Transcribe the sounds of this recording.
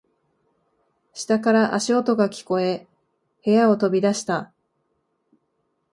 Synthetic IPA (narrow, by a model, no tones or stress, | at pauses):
ɕi̥t̪akaɾaʔaɕio̞t̪o̞ɡakʲi̥ko̞e̞ | he̞jao̞t̪o̞bʲid̪aɕi̥t̪a